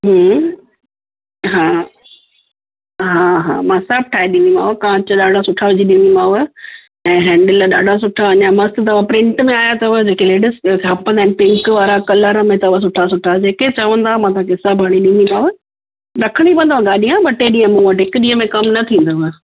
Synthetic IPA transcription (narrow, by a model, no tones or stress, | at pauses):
ɦə | ɦaː | ɦaːɦã̰ːmãːsɐb̚ʈʰaːɦiɗĩnd̪imã̰ːʋəkãːt͡ɕəɗaːɖʱasʊʈʰaʋʊd͡ʑiɗĩnd̪imãːʋə | ɛ̃ːɦɛ̃ːɳɖəlɗa̰ːɖʱas̬ʊʈʰaɐɲamɐst̪t̪ɐʋ̤apɾɪ̃ɳʈmẽaːjat̪ɐʋəd͡ʑeːkeleːɖəskɦɐpə̃nd̪aːɛ̃npɪ̃ŋkʋaːɾakɐləɾəmẽt̪ɐʋas̬ʊʈʰas̬ʊʈʰad͡ʑeːket͡ɕɐʋə̃nd̪aːmãːt̪ʰãkɪsabʱaɽ̃iɗĩnd̪imãːʋə | ɾɐkʰəɽ̃ipɐ̃nd̪aʋɡaːɗiãːbɐʈeɗĩːə̃mũʋəʈɦɪkɗĩːɦəmẽkɐmnɐt̪ʰĩːnd̪ɐʋə